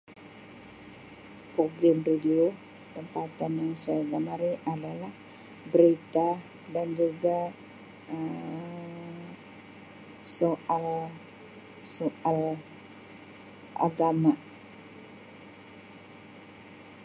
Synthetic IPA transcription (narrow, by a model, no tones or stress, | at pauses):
pɾoɡɾamridio | t̪əmpat̪anjaŋsaɡamaɾiʔadalah | bəɾit̪a | dand͡ʒuɡa | ə | soʔal | soʔal | ʔa̰ɡama